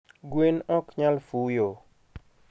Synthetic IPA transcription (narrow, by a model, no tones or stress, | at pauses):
ɡwenɔkɲalfujo